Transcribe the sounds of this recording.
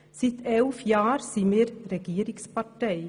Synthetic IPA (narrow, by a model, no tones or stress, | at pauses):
sɪt̪ʰeʉfjɑːɾsiːməɾɾɛɡeːɾɪŋspɑʈæɪ